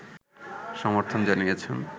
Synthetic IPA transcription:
ʃɔmoɾt̪ʰond͡ʑanijet͡ɕʰen

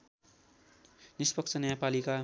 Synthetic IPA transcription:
nispʌk̚t͡sʰʌnʌjapalika

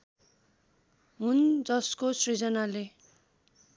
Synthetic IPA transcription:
ɦund͡zʌskosrid͡zʌnale

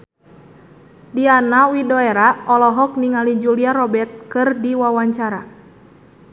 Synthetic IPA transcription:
dianawidɔeɾaɔlɔɦɔk̚niŋalid͡ʒuliaɾɔbɛrt̪̚kɨrdiwawaɲt͡ʃaɾa

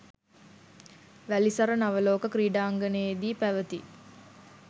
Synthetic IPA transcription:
ʋælisɐɾənaʋəloːkəkɾiːɖaːŋɡənəjed̪iːpæʋət̪i

